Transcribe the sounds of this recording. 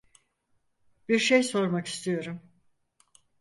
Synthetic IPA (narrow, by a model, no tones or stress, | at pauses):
biɾʃejso̞ɾmaki̥st̪ʰijo̞ɾum